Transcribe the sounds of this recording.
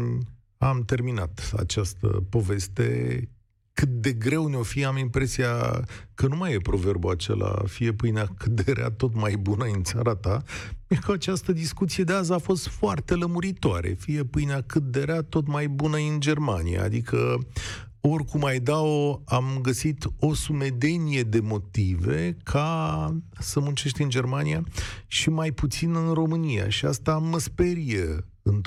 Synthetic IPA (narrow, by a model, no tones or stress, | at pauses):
amt̪e̞rminat̪a̰t͡ʃast̪ə̰po̞ve̞st̪e̞̰ | kɨt̪̚d̪e̞ɡɾe̞wneo̞fiamimpɾe̞sija̰kənumajepɾo̞ve̞rbuat͡ʃḛla̰fije̞pɨjnakɨt̪̚d̪eɾea̰t̪o̞t̪majbunəɨnt̪saɾat̪ajekəat͡ʃast̪əd̪iskut̪sijed̪eazafo̞st̪foart̪e̞ləmuɾit̪oaɾḛfije̞pɨjnakɨt̪̚d̪e̞ɾeat̪o̞t̪majbunəind͡ʒe̞rma̰nḭja̰a̰d̪ikʰə | o̞rʲkumajd̪aoamɡəsit̪o̞sume̞d̪e̞nije̞d̪e̞mo̞t̪ive̞kʰa | səmunt͡ʃe̞ʃt̪ʲɨnd͡ʒe̞rmanijaʃimajput̪sinɨnro̞mɨnija̰ʃia̰st̪aməspeɾije | ɨn